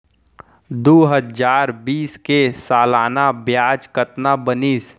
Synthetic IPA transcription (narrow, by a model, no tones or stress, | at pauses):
d̪oɦəd͡ʒaːɾbiːskesaːlaːnabjaːd͡ʒkət̪nabəniːs